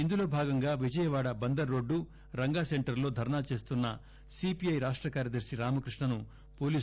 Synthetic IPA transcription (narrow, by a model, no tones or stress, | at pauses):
ind̪uloːbʱaːɡɐŋɡaːʋid͡ʒɐjɐʋaːɽɐbɐnd̪ɐɾːo̞ːɖːu | ɾɐŋɡaːseɳʈɐɾlo̞ːd̪ʱɐɾɐɳaːt͡ʃe̞ːst̪unːɐ̰ | sipijɐjɾaːʂʈɾɐkaːɾjɐd̪ɐɾʂiɾaːmɐkɾiʂɳɐnu | poːliː